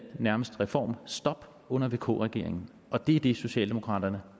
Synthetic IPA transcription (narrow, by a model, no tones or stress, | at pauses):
næɐməsd̥ʁɛfɒ̰ːmsd̥ɒ̽b̥ | ɔ̽n̰ɐʋe̝ːkʰo̰ːʁɛɡ̥e̝ɐ̰eŋn̩ | ʔɒ̽d̥e̝d̥e̝so̝ɕɛ̰ːld̥e̝mo̝kʰʁɑ̰̈ːd̥ɐnə